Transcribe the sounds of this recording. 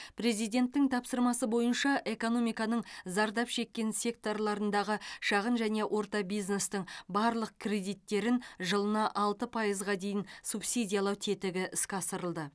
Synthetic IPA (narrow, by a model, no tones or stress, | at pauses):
pre̞zijd̪ʲe̞nt̪ːɪŋt̪ʰɑpsəɾmɑsəbo̞jənʃɑʔe̞ko̞no̞mijkɑnəɴzɑɾd̪ɑpʃe̞kʲːe̞nsʲe̞k̚t̪o̞rlˠɑɾənd̪ɑʁəʃɑʁənʒæne̞ʔwʔo̞ɾt̪ɑbijzne̞st̪ɪɴbɑɾlˠəq̚kʲʰrʲe̞d̪ijt̪ːe̞ɾɪnʒəlˠənɑʔɑlˠt̪əpʰɑjəzʁɑd̪e̞jɪnsupsʲid̪ʲijaɑlˠɑwt̪ʰet̪ɪɡʲɪʔɪskʲɑsəɾəlˠd̪ə